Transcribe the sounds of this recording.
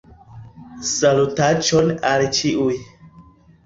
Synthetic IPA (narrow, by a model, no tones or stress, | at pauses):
salutat͡ʃɔnalt͡ʃiʔuj